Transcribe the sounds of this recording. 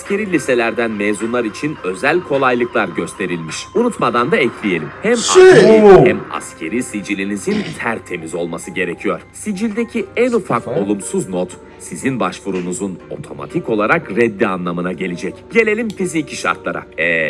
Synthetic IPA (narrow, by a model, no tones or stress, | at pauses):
ascʰe̞ɾilʲise̞lʲæɾd̪ænmezunlˠaɾit͡ʃʰinø̞zælʲkʰo̞lˠajlˠɯklˠaɾɟø̞st̪ʰe̞ɾilʲmiʃunut̪mad̪and̪aɛcʰlʲije̞lʲimhæmaeɾiæma̰scʰe̞ɾisid͡ʒilʲinizint̪ʰæɾt̪ʰe̞mizo̞lˠmasɯɟe̞ɾe̞cʰijo̞ɾ̥sid͡ʒilʲd̪ecʰiænufako̞lˠumsuznot̪ | sizinbaʃvuɾunuzuno̞̰t̪ʰo̞ma̰t̪ʰiko̞lˠaɾakɾɛd̪ːianlˠamɯnaɟe̞lʲid͡ʒɛcɟ̥e̞lʲe̞lʲimfizicʰiʃa̰ɾt̪lˠa̰ɾa̰ɛ